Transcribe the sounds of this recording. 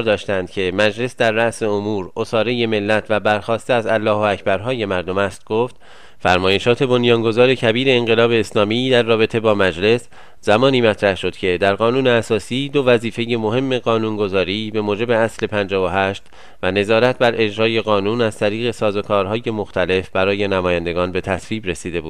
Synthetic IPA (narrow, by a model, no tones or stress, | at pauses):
ɾd̪ɒːʃt̪ænd̪̥cʲʰe̞mæd͡ʒle̞sd̪æɾːæʔse̞omuːɾo̞sɒːɾe̞je̞me̞lːæt̪ʰvæbæɾxɒːst̪eæzælːɒːɦoæcʰbæɾɦɒːje̞mæɾd̪o̞mæst̪̚ɡ̥o̞ft̪ | fæɾmɒːje̞ʃɒːt̪ʰe̞bo̞njɒːŋɡo̞zɒːɾe̞cʰæbiːɾe̞ːŋɢe̞lɒːbe̞ːslɒːmiːd̪æɾːɒːbe̞t̪ʰe̞bɒːmæd͡ʒle̞s | zæmɒːniːmæt̪ʰɾæhʃo̞d̪cʰe̞d̪æɾɣɒːnuːneæsɒːsiːd̪o̞væziːfe̞je̞mo̞ɦe̞mːe̞ɣɒːnunɡo̞zɒːɾiːbe̞moːd͡ʒe̞be̞æsle̞pʰænd͡ʒɒːvoɦæʃt̪ | væne̞zɒːɾæt̪̚ʰbæɾʔe̞d͡ʒɾɒːje̞ɣɒːnuːnæz̥t̪ʰæɾiːɣe̞sɒːzo̞kʰɒːɾɦɒːje̞mo̞xt̪ʰæle̞fbæɾɒːje̞næmɒːjænd̪e̞ɡɒːnbe̞t̪ʰæsviːbɾe̞siːd̪e̞buːd̪